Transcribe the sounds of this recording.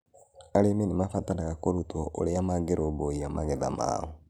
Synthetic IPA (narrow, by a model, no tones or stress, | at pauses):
aɾemenemafatanaɣakoɾutoo̰ɾeamaɡeɾʔoβoiamaɣɛða̰ma̰ːɔ